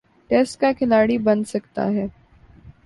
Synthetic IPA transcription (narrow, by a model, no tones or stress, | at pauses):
ʈɛːsʈ̚kakʰɪlaːɽibɐnsɐkt̪a̰ɦɛː